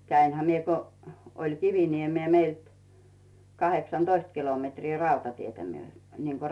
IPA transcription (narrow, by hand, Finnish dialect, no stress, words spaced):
kæinhæ mie ko olʲ kiʋiniemeː meilt kɑheksɑnd̥oist kilometriː rɑutɑtietæ myø niːŋko